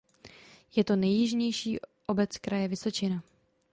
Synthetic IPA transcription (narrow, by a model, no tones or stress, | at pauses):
jɛt̪o̞nɛjːɪʒɲɛjʃiːʔo̞bɛt͡skɾajɛvɪso̞t͡ʃɪna